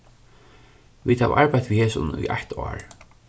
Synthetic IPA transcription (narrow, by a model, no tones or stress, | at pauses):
viːd̪hæʋ̰ʔaɹpajt̪ʰʋiheːsʊnṵjʔaht̪ʰa̰ːɹ